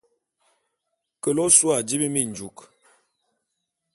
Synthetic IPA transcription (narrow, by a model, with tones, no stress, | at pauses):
kə˨lɔ˦swa˨d͡ʒi˦bi˦mi˦˨n˨d͡ʒu˨˦k